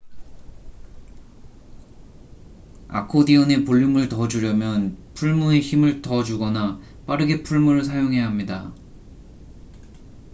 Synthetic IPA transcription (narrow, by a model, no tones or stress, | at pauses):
a̰kʰodiʌne̞poʎːumɯɭtʌd͡ʑuɾjʌmjʌnpʰuɭmue̞çimɯɭtʌd͡ʑuɡʌna | p͈aɾɯɡe̞pʰuɭmuɾɯɭsʰajoŋɦe̞jaɦamɲida